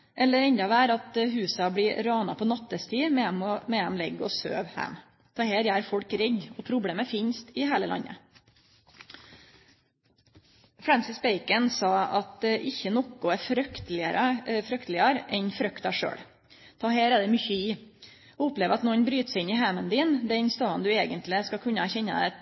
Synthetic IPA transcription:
ʔɛlːəɾɛɲd̪ɑʋæːɾɑt̪ɦʉːsɑbɽɪɾɑːnɑ̰pʰɔnɑt̪ːəst̪ʰiːmɛmɔmɛɛmlɛɡɔ̰sø̰ːʋhæ̰m | t̪ʰɑːheːɾjæːɾfɔɽkɾɛd̪ɔpʰɾʊbɽeːməfɪɲst̪ɪheːləlʔɑ̰ɲːə̰ | fɾænsɪsbeɪkənsɑːɑt̪ʔɪçənɔkʊæɾfɾœkt̪lɪəɾəfɾœkt̪lɪɑɾɛnfɾœkt̪ɑʂø̰ːɽ | t̪ʰɑːheːɾæd̪ɛmʏçəɪ | ɔʊpleːʋəɾɑt̪nɔnbɾyːt̪sɪnːɪɦæmənd̪iːnd̪ɛnst̪ɑːnd̪ʉeːɡənt̪lɪskɑkʰʉnːəæɾçɛnːə̰d̪ɛ

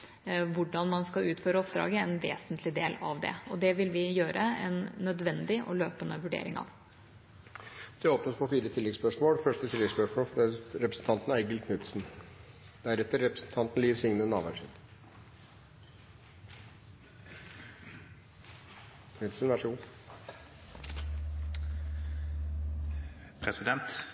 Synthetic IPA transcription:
ʋʊɖɑnmɑnskɑʉːt̪føːɾəɔpd̪ɾɑ̰ːɡəɛnʋḛːsənt̪ʰlɪd̪eːlɑʋd̪ɛ̰ɔd̪ɛʋɪlʋɪjøːɾʔəɛ̰nːœd̪ʋɛnd̪ɪʔɔløːpənəʋʉɖḛːɾɪŋɑ̰ʋ | d̪̥ɛoːpnəsfɔfiːɾət̪ʰɪlɛɡspœʂmoːlfœʂʈət̪ʰɪlɛɡspœʂmoːlfɛɾɛpɾəsn̩t̪ʰɑnt̪næɡəlkʰnʉt̪sn̩ | d̪̥æɾɛt̪ːəɾːɛpɾəsn̩t̪ʰɑnt̪n̩liːʋsɪŋnənɑːʋæʂɪt̪ | kʰnʉt̪sn̩ʋæʂuː | pʰɾɛsɪd̪ɛnt̪

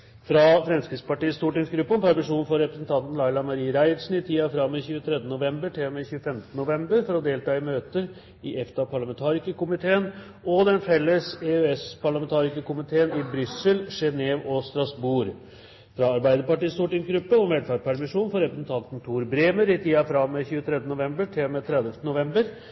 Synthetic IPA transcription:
fɾɑfɾɛmskɾɪt̪spɑʈiːəst̪uːʈɪŋsɡɾʉpːəɔmpæɾmɪʂuːnfɔɾɛpɾəsn̩t̪ʰɑnt̪n̩lɑɪlɑmɑɾiːəɾæɪd̪sn̩ɪt̪ʰiːɑfɾɑmːɪçʉːət̪ʰɾɛd̪ənʊʋɛmbəʈʰemɛçʉːəfɛmt̪ənʊʋɛmbəɾfɔɾɔd̪eːlt̪ɑːɪmøːt̪əɾ | ɪʔɛft̪ɑpʰɑɭɑmɛnt̪ʰɑːɾɪkəkʊmɪt̪ʰeːən | ɔd̪ɛnfɛlːəseøɛspʰɑɭɑmɛnt̪ʰɑːɾɪkəkʊmɪt̪ʰeːənɪbɾʏsːəlʂɛneːʋɔst̪ɾɑsbuːɾ | fɾɑɑɾbæɪd̪əpɑʈiːst̪uːʈɪŋsɡɾʉpːəɔmʋɛlfɑːɾpʰæɾmɪʂuːnfɔɾɛpɾəsn̩t̪ʰɑnt̪n̩t̪ʰuːɾbɾeːməɾɪt̪ʰiːɑfɾɑmːɛçʉːət̪ʰɾɛd̪ənʊʋɛmbəʈʰɪlmɛt̪ʰɾɛd̪əft̪ənʊʋɛmbəɾ

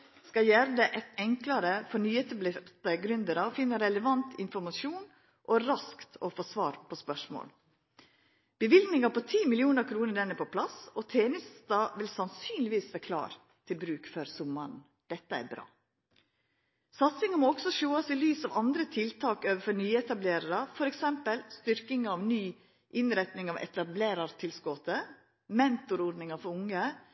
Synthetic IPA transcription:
skɑjæːɾəd̪ɛʔɛt̪ɛŋklɑɾəfɔnyːɛt̪əblɪt̪əɡɾʉnd̪əɾɑfɪnːəɾɛləʋɑnt̪ɪnfɔɾmɑʃuːn | ʔɔɾɑskt̪ofoːsʋɑ̰ːɾpʰɔspœʂmo̰ːl | b̥əʋɪld̪nɪŋɑpɔt̪ʰiːmɪlɪuːnəɾkʰɾuːnəɖ̪ɛnːæpʰɔpʰlɑsɔt̪ʰeːnɪst̪ɑːʋɪlsɑnsyːnlɪʋiːsʋæːɾkʰlɑ̰ːɾ | t̪ʰɪlbɾʉːkføɾsʊmːɑɳ | d̪̥ɛt̪ːəæ̰ɾbɾɑ̰ː | sɑt̪sɪŋɑmɔɔɡsɔʃoːɑsɪlyːsɑʋɑnd̪ɾət̪ʰɪlt̪ʰɑːkøːʋəfɔɾnyːɛt̪ɑbleːɾəɾɑfɔɾɛksɛmpəlst̪ʏɾkɪŋɑɑʋnyː | ʔɪnɾɛt̪nɪŋɑʋʔɛ̰t̪ɑbleːɾɑɾt̪ʰɪlskɔt̪ə | mɛnt̪ʊɾɔɖnɪŋɑfɔɾʊŋːə

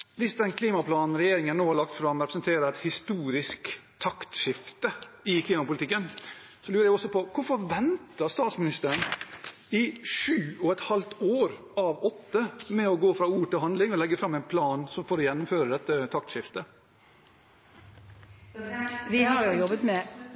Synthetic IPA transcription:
ʋɪsd̪ɛnkʰliːmɑpʰlɑːnn̩ɾɛjeːɾɪŋəænnoːhɑɾɭɑk̚t̪fɾɑmːɾɛpɾəsənt̪ʰeːɾəɾɛt̪hɪst̪uːɾɪskt̪ʰɑkt̪ʃɪft̪əɪkʰliːmɑpʊlɪt̪ɪkːən | sɔlʉːɾəɾjæɪɔsɔpɔkʰʊɾfɔɾʋɛnt̪əst̪ɑːt̪smɪnɪst̪əɾəɳ | ɪʂʉːɔɛt̪hɑlt̪oːɾ | ɑʋɔt̪ːəmɛɔɡoːfɾɑːuːʈɪlhɑnd̪lɪŋɔlɛɡːəfɾɑmːɛɪnpʰlɑːnsɔmfoːɾɔjɛnːʊmføːɾəd̪ɛt̪ːət̪ʰɑk̚t̪ʃɪft̪ə | ɪɑjɔbət̪mɛ

